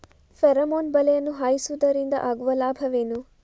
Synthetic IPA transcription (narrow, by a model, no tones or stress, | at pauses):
feɾɐmoːnbɐlɛjɐnːuɦaːjisud̪ɐɾind̪ɐ̰ʔaːɡuʋɐlaːbʱɐʋeːnu